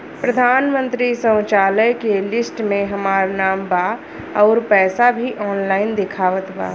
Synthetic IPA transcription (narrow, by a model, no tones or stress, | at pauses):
pɾəd̪ʱaːnmə̃nt̪ɾisə̃w̃t͡ʃaːləjkelɪsʈmẽɦəmaːɾnaːmbaː | ɔːɾpɛːsabʱiʔɔːnlaːɪnd̪ɪkʰaːʋət̪ba̰ː